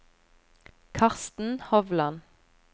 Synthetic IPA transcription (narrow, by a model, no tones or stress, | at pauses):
kʰɑʁst̪n̩hɔʋlɑn